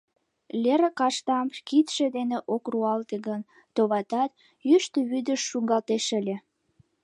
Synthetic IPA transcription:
lʲeɾəkɑʃt̪ɑmkit̪ʃed̪eneʔokruɑlt̪eɡən | t̪oβɑt̪ɑt̪ | jyʃt̪əβyd̪əʃːuŋɡɑlt̪eʃəlʲe

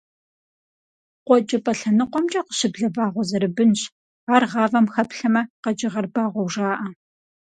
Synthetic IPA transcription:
qʷɔt͡ʃʼɐpʼɐɬɐnɨqʷɔmt͡ʃʼɐqə̥ɕɪbɮɐbaːʁʷɔzɐɾɨbɨnɕ | aːrʁɑːvɐmxɐpɬɐmɐqɐd͡ʒʼɪʁɐrbaːʁʷɔwʐaːʔɐ

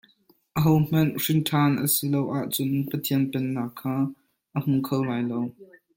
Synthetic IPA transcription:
ʔəɦowm̥ɐnrinʈʰaːnʔə̰silowʔaːʔt͡sʊnpət̪ʰiənpɛnːaːkʰːaː | ʔəm̥uŋkʰowlaːjlow

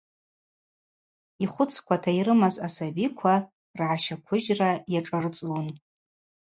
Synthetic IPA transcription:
iχʷʊt͡sʰkʷʰatʰaiɾɨmazasabikʷʰa | rʕaʃakʷʰʊʒrajaʈ͡ʂʼart͡sʼwn

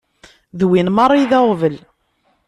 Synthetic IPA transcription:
ðwinmɑɾˤːiðæʁvəl

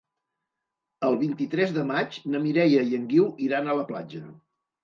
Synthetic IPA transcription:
əlˠβint̪it̪ɾɛzðəmat͡ʃnəmiɾɛjəjəŋɡiwiɾanələplad͡ʒə

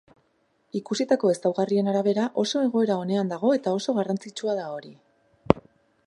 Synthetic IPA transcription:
ikusit̪ako̞e̞sawɣarie̞naɾaβ̞e̞ɾaʔo̞so̞e̞ɣ̞o̞e̞ɾao̞ne̞and̪aɣ̞o̞e̞t̪ao̞so̞ɣ̞arant͡sit͡ʃuaðao̞ɾi

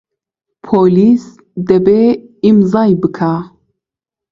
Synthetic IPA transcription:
pʰoːlis | d̪ɛbeimzɑːjbɨkʰa

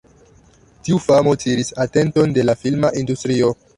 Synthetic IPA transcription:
tiufamo̞tiɾisate̞nto̞nde̞lafilmaʔindustɾio̞

